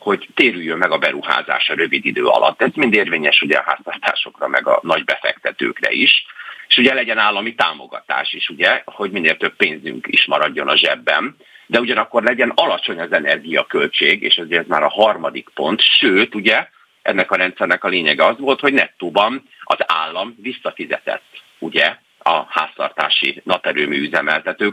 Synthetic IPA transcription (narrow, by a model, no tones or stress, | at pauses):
ho̞ɟt̪eːɾyjːømːɛɡɒbɛɾuha̰ːza̰ːʃɒɾø̞vid̪id̪øːɒ̰lʔɒ̰t̪ːɛzmind̪eːrveːɲɛʃuɟɛ̰ɒ̰ɦa̰ːst̪ɒt̪a̰ːʃo̞krɒmɛɡɒ̰nɒɟbɛfɛ̰kt̪ɛt̪ø̰ːkrɛ̰iʃeːʃuɟɛlɛɟɛnaːlːɒmit̪aːmo̞ɡɒ̰t̪a̰ːʃiʃuɟɛho̞ɟmineːlt̪ø̞bːeːnzy̰ŋkḭʃmɒɾɒɟːo̞nɒʒɛbːɛ̰n | d̪ɛuɟɒnɒkːo̞rlɛɟɛnɒlɒt͡ʃo̞ɲɒzɛnɛrɡijɒkø̞lt͡ʃeːɡḛːʃɛzuɛɛzma̰ːɾɒɦɒrmɒd̪ikpo̞nt̪ʃøːt̪uɟɛ | ʔɛnːɛkɒɾɛnt̪sɛrnɛkɒleːɲɛɡɛɒzʋoːlt̪ho̞ɟnɛt̪ːoːbɒn | ɒzaːlːɒmvisːɒfizɛ̰t̪ɛ̰t̪ː | uɟɛ | ɒha̰ːst̪ɒ̰rt̪a̰ːʃḭnɒpɛɾøːmiːyzɛmɛlt̪ɛt̪øː